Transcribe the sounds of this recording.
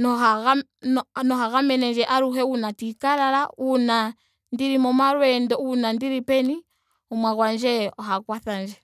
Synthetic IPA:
nɔɦaɣa | nɔɦaɣamɛnɛnd͡ʒɛʔaɾuɦɛunatikaɾaɾauna | ndiɾimɔmaɾwɛndɔunandiɾipɛni | ɔmwaɣwand͡ʒɛɔɦakwaθand͡ʒɛ

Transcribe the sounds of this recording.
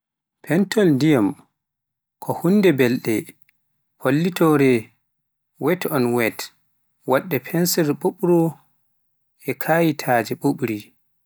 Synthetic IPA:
pʰɛntɔldijam | kʰɔhundɛbɛlɗɛ | pʰolːitɔɾɛ | wɛtɔnwɛt | waɗːɛpʰɛnsɛɾɓoɓɾɔ | ɛkʰaːjitʰaːd͡ʒɛɓoɓɾi

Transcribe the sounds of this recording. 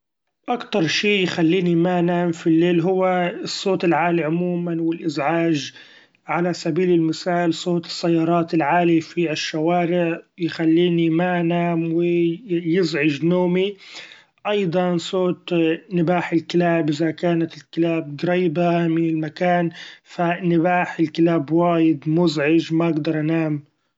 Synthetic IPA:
ʔakt̪ɑɾˤʃiːjxalːiːnimanaːmfilːeːlɦʊwːasˤːoːt̪ɪlʕaːliʕʊmuːmanwɪlʔɪzʕaːʒ | ʕalasabiːlɪlmɪsaːlsˤoːt̪ɨ̥sːajːɑːɾˤɑːt̪ɪlʕaːlifiʔaʃːawaːɾɪʕjxalːiːnimanaːmwɪjɪzʕɪd͡ʒnoːmi | ʔɑjd̪ˤɑnsˤoːt̪nɪbaːħɪlkɪlaːbʔɪzakaːnat̪ɪlkɪlaːb̚ɡɾiːbamɪnɪlmakaːnfanɪbaːħɪlkɪlaːbwaːjɪd̪mʊzʕɪd͡ʒmaʔɪɡd̪ɑɾˤʔanaːm

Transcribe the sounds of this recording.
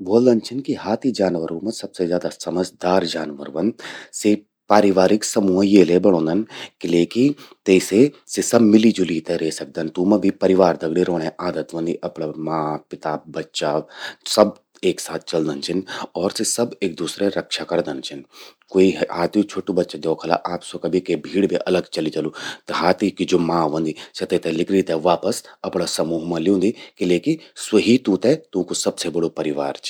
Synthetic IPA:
boːld̪ɐnt͡ʃʰɪnkiɦaːt̪ʰid͡ʒaːnʋəɾuːmɐsɐbsezjaːd̪asɐməd͡ʒd̪aːɾd͡ʒaːnʋə̰ɾʋɐnd̪se | paːɾɪʋaːɾɪksɐmũːjeːlebɐɽ̃õːnd̪ənkileːkit̪esesisɐbmɪlid͡ʒʊliːt̪ɛɾeːsɐk̚d̪ənt̪umɐbʱipɐɾɪʋaːɾd̪ɐɡɽiɾoːɽ̃ẽʔaːd̪ət̪ʋɐ̃nd̪iʔɐpɽamãːpɪt̪aːbɐtːʃasɐb | eːksaːt̪̚ʰt͡ʃɐld̪ənt͡ʃʰɪnɔːɾsisɐbeːk̚d̪uːsɾeɾɐkʃakɐɾd̪ənt͡ʃʰɪnkoːiɦɦaːt̪ĩt͡ʃʰoːʈubɐtːʃad̪ɔːkʰɐla̰ʔaːpsokɐbʱikebʱiːɽbʱiʔɐləɡt͡ʃɐlid͡ʒɐlut̪ɐɦaːt̪ikid͡ʒoːmãːʋə̃nd̪isɐt̪et̪ɛlɪkʰɾit̪ɛʋaːpəsɐpɽasɐmuːɦmãlɪjũːnd̪ikileːkiswɐɦit̪ũt̪ɛt̪ũːkusɐbsebɐɽopɐɾɪʋaːɾt͡ʃ

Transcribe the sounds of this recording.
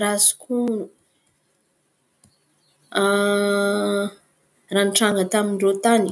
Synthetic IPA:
rasu̥kʰunu | a | ranʈ͡ʂaŋɡət̪amiɳɖ͡ʐot̪ani

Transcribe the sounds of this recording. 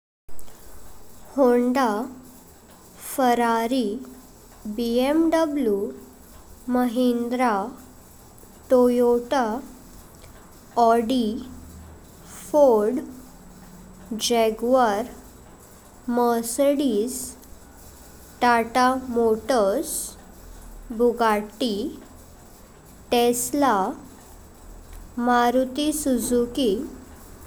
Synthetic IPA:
hoɳɖa | fəɾaɾi | biemɖəblju | məɦend̪ɾa | ʈojoʈa | ɔɽi | foɾɽ | d͡ʑɛɡʋaɾ | məsɽis | ʈaʈamoʈəs | bʱuɡaʈːi | ʈesla | maɾut̪isud͡zuki

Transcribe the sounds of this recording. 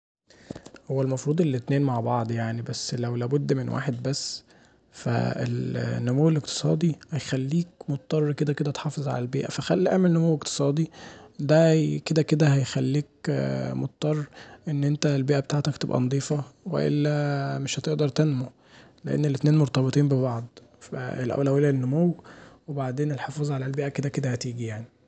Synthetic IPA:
howːælmɑfɾˤuːd̪ˤelːet̪neːnmaʕbɑʕd̪ˤjaʕnibæsːlæwlæːbod̪ːmenwʔa̰ːħed̪̚bæsː | fæ̰ḛlnːomowːelekt̪e̥sˤɑ̰ːd̪ˤihæjxælːiːk̚mot̪̚t̪ˤːɑrˤːked̪æked̪æt̪ħɑːfezˤʕa̰lælbḛːʔæfæxælːiʔæ̰ʕmelnːomowːekt̪e̥sˤɑːd̪id̪æked̪æked̪æhæjxælːiːk̚mot̪̚t̪ˤːɑrˤːʔenːʔent̪ælbeːʔæbet̪aːʕt̪ækt̪ebʔæ̰nɑd̪ˤiːfɑwḛʔḛlːæmeʃhæt̪eʔd̪ɑɾˤt̪ænmo | leʔḛnːelːʔet̪neːnmoɾt̪ˤɑbet̪ˤiːmbeβɑʕd̪ˤ | fæ̰ḛlʔæ̰wlæwelænːomowwebaʕd̪eːnelħefɑːzˤʕalælbeːʔæked̪æked̪æhæt̪iːɡijaʕni

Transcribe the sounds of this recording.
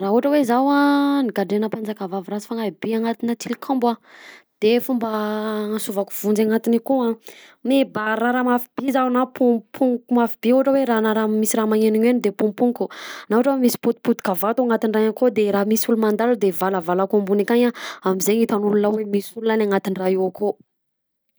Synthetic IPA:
raɦuaʈ͡ʂəwezawanikaɖ͡ʐenəpand͡zakavavɾazi̥faŋabiaŋat̪inat̪ʰilkʰãmba | d̪̥efumbəsuvaku̥v̥und͡zaŋat̪inikoa | mebaraɾamafib̥izawnapʰupʰuŋkumafib̥iuɦaʈ͡ʂəweɾanaɾamisiɾamaŋeniɲenid̪epumpuŋkunauʈ͡ʂəwemisi̥put̪u̥put̪u̥kavat̪uaŋat̪inraɲakod̪eɾamisulumand̪alud̪evalavalakombunikaɲaamizeɲit̪anulunawemisulunanaŋat̪iniraiwako

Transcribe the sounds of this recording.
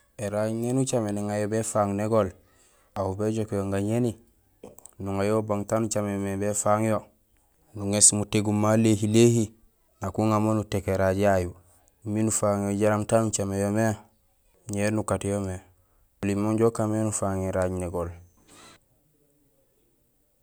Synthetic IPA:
eɾaɟnenut͡ʃameneŋajobefaŋneɡol | ahubeɟokjoŋɡaɲeni | nuŋajobaŋtaːnut͡ʃamemebefaŋjo | nuŋesmuteɡumːalehilehi | nakuŋamonutekeɾaɟjaju | minufaŋjoɟaɾamtanut͡ʃamejome | ɲeːɾnukatjome | ulimːoɲɟokamenufaŋiɾaɟneɡol

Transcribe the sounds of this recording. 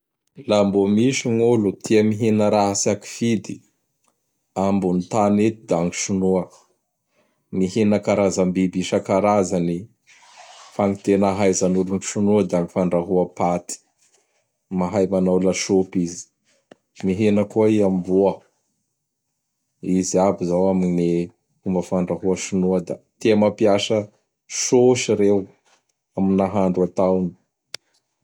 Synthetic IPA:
lambomiʃiŋulut̪ʰiəmiɦenəɾaɦasaki̥fid̪i | ambunit̪anet̪id̪aŋiʃunuə | miɦenəkaɾazambibiʃakaɾazani | faŋit̪enaɦajzanuluniʃunuad̪aŋifaɳɖ͡ʐaɦuapat̪i̥ | maɦajmanawlaʃopizi̥ | miɦenəkuaiambuə | iziabizawamine | umbəfaɳɖ͡ʐaɦuəʃunuəd̪at̪eamapiasə | ʃoʃiɾew | aminaɦaɳɖ͡ʐuat̪awni̥

